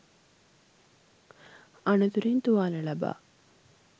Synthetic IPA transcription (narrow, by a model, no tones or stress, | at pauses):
ɐnut̪uɾint̪uʋaːnəlɐba̰ː